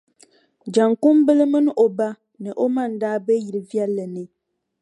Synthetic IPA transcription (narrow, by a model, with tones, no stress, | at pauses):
d͡ʒa˨ŋku˦m˦bɨ˦lɨ˦mɨ˦n˦ʔo˨ba˦ | nɨ˨ʔo˦ma˦˨n̩˨daː˦bɛ˦ji˨ɾɨ˨vi˦ɛ˦lːɨ˨nɨ˨